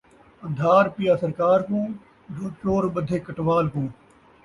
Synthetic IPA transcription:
əd̪ʱaːɾpijaːsəɾkaːɾkũː | d͡ʒõːt͡ʃoːɾɓəd̪ʱeːkəʈʋaːlkũː

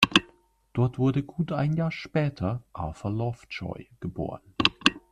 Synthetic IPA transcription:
d̥ɔɐtv̥ʊɐdəɡuːtʔaɪnjaːɐʃpɛːtʰɐʔa̰fɐlɔft͡ʃɔ̰ʏɡ̥əbo̰ːʁən

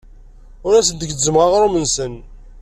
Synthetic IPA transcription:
ʊɾæsənd̪əɡzəmʁaʁɾˤomənsən

